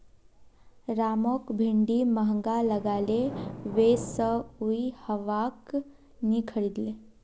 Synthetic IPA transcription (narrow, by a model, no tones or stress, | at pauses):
ɾaːmokbʱiɳɖiməɦə̃ŋɡaləɡaleʋesəuihəʋak | nikʰəɽid̪le